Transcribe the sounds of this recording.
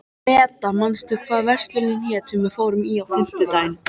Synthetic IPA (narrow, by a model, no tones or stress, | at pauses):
ɛːt̪amanst̪ʏkʰvaːðvɛr̥st̪lʏnɪljɛːt̪ʏmɛðfoːwɾʏmiawɪm̥t̪ɪt̪aːjn